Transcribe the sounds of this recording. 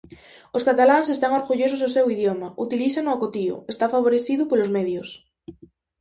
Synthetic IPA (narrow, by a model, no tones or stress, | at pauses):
oskat̪alaŋs̬est̪aŋoɾɣuʎos̬ososewiðjomaut̪iliθanoakot̪io̰est̪afaβ̞oɾeθiðupolozmeðjos